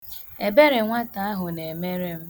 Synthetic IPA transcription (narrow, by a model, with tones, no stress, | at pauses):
e˨be˦ɾɪ˨ŋʷa˦ta˨a˦ɦʊ˨ne˨me˦ɾe˦m̩˦